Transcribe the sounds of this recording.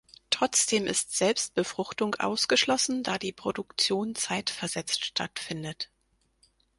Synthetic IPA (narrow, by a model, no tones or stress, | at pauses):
tʁ̥ɔt͡sd̥eːmʔɪ̰stz̥ɛlpst̚b̥əfʁ̥ʊxtʊŋʔa̰ʊsɡ̥əʃlɔsn̩daːdiːpʁ̥odʊkt͡sjoːnt͡saɪtfɛɐzɛt͡stʃtʰa̰tfɪndət